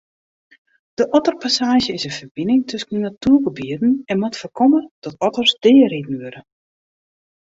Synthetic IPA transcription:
d̥əʔɔtərpasaːʒjəɪsənfərbɪnɪŋtʰøsən̩dənatuəɡəbiədn̩ɛnmatfərkʰɔməd̥ɔtɔtərsdɪːəridn̩ʋøɾə

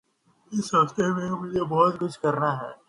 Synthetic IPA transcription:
ɪsə̃st̪emẽmʊd͡ʒebɔɦʊt̪kʊt͡ʃʰkɐɾnaɦɛ̰ː

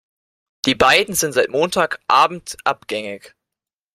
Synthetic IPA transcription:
d̥iːbaɪdn̩zɪntz̥aɪtmoːntʰaːkʔaːbm̩tʔapɡ̥ɛŋɪk

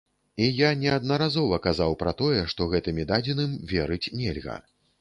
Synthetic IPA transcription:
ijanʲɛɐd̪nɐɾazɔvɐkazawpɾɐt̪ɔjɛʂt̪ɔɣɛt̪ɨmʲid̪ad͡zʲinɨmvʲɛɾɨt͡sʲnʲɛlʲɣɐ̰

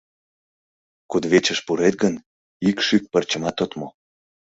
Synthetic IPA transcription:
kud̪βet͡ɕəʃpuɾet̪̚ɡən | ikʃyk̚pərt͡ɕəmɑt̪ot̪mo

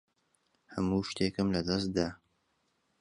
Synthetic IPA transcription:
hɐmuːʃt̪eːkɨmlɐd̪ɐs̬d̪aː

